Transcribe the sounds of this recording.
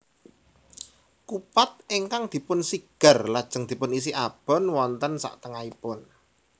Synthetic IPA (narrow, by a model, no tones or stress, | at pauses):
kupat̪̚iŋkaŋd̪̥i̤pʊnsiɡ̥ə̤rlad̥ʒ̥ə̤ŋd̪̥i̤pʊnis̬iʔab̥ɔ̤nwɔnt̪ənsa̰ʔt̪əŋaipʊn